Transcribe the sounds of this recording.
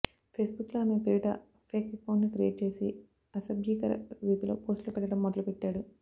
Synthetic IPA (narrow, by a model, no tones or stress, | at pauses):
pʰeːsbukːloaːme̞piɾiʈɐ̰ | pʰeːkkːɐwɳʈnikɾijeːʈ̚t͡ʃe̞ːsi | ɐsɐbjiːkɐɾɐ̰ʋiːd̪ilo̰ːpo̞ːsʈlupɛʈːɐɽɐmːɔd̪ɐlupɛʈːaːɽu